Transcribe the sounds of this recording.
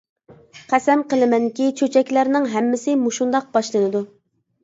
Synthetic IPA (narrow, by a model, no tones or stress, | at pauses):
qʰæsɛmqəlˠɨmɛnkʲit͡ʃʰøt͡ʃʰɛkʲlæɾnɪŋɦɛmːɪsɪmuʃund̪ɑq̚b̥ɑʃlˠɨnɨd̪u